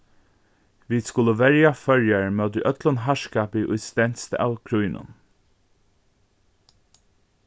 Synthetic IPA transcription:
ʋiːd̪skʊləʋɛɹjafœɹjaɹmœːt̪əʔœt̪lənɦaʃkaːpɪʔʊjt̪st̪ɛn̥t̪st̪a̰wkʰɹujnʔʊ̰n

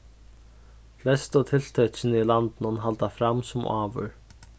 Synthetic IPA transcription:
flɛst̪ɔt̪ʰɪl̥t̪ʰœsɪnɪilant̪ɪnʊnɦalt̪afɾamːsɔmʔaːvʏ̰ɾ̥

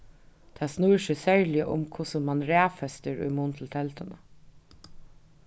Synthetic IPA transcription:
t̪ʰæːsnuːɹʃəsæɹlɪəʔʊ̰mkʰʊsənmɑnɾæːfɛst̪əɾʉ̰ɪmunt̪ʰl̩t̪ʰɛlt̪ənə̰

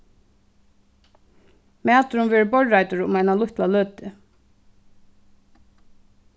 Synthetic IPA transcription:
mæːt̪ɾʊnvɛːɹɪbɔɹːajt̪ʊɹʊ̰majnalʊht̪laløːt̪ɪ

